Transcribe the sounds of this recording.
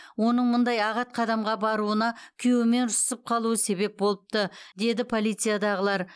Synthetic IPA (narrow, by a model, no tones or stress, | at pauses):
wo̞nəɴmʊnd̪ɑjɑʁɑt̪̚qʰɑd̪ɑmʁɑbɑɾuənɑkʲʰʏjwɪme̞nʒʊsəp̚qʰɑlˠuəse̞be̞p̚bo̞lˠəp̚t̪əd̪e̞d̪ɪpʰo̞lˠijt̪sɨjad̪ɑʁəlˠɑɾ